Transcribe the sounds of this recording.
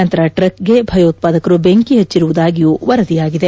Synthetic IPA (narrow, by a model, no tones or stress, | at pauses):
ɐnt̪ɐɾɐʈɾɐkɡe̞bʱɐjoːt̪̚paːd̪ɐkɐɾubeŋkiɦet͡ʃːiɾuʋud̪aːɡijuːʋɐɾɐd̪ijaːɡid̪e̞